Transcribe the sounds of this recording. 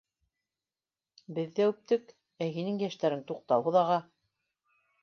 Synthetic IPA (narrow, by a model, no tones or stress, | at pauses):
bɘ̆ðːæʉp̚t̪ɘk | æɦinɘŋjæʃt̪æɾɘŋt̪uq̚t̪ɑwɦɤ̆ðɑʁɑ